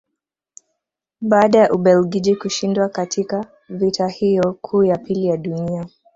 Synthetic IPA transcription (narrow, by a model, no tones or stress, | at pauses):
ɓaːɗajaʔuɓɛlɡid͡ʒikuʃindwakatʰika | vitʰahijɔkʰuːjapilijaɗunia